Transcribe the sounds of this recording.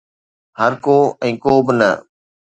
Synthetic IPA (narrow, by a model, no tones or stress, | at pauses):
həɾkoːɛ̃ːkoːbɪnə̰